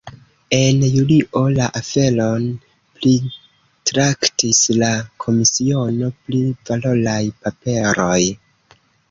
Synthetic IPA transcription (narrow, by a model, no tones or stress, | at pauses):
e̞njuliʔo̞laʔafe̞lo̞n | pli | tɾaktislakʰo̞misio̞no̞plivalo̞lajpape̞ɾo̞j